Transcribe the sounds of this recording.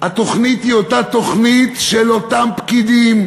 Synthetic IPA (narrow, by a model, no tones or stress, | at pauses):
hat̪o̞χnit̪hio̞t̪at̪oχnit̪ʃelo̞tampkid̪im